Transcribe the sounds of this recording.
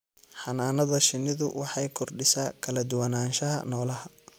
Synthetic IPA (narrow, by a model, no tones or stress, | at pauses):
ħɑnaːnɐðɐʃɪnɪðʊwɑħɑjkʰɔrɖɪsaːkʰɐlɐd̪ʊwɐnaːnʃɐɦɐ̰nɔːlɐɦɐ